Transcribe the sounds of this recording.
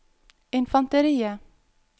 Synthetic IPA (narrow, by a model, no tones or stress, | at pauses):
ɪnfɑnt̪əɾiːə